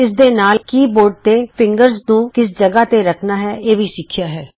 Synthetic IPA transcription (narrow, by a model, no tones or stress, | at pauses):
ɪs̬d̪eːnaːlkiːboːɾɖ̚t̪eːpʰɪ̃ŋɡəɾznũːkɪs̬d͡ʒəɡaːt̪eːɾəkʰnaːɦɛːeːʋiːsɪkʰːɪjaːɦɛː